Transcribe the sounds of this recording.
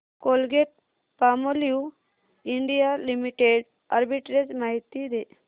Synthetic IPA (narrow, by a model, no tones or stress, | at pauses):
kolɡeʈ̚ | pamoliu | iɳɖijalimiʈeɖ | əɾbiʈɾed͡ʒmaɦit̪ːid̪e